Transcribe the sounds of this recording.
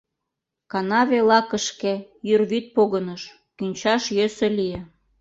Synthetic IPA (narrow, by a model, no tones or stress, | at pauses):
kɑnɑβelɑkəʃkejyrβyt̪̚poɣənəʃ | kynʲt͡ɕɑʃjøseliĕ